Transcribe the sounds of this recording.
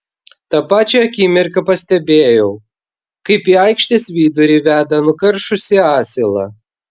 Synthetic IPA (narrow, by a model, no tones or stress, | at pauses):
t̪ɑpɑːt͡ʃʲɛɐkʲiːmʲɪɾkɐpɐsʲt̪ʲɛbʲeːjɛʊ | kɐɪpiːɐɪkʃʲt̪ʲesʲʋʲiːd̪ʊɾʲiːʋʲæːd̪ɐnʊkɐɾʃʊsʲɪɑːsʲɪlˠɐ̰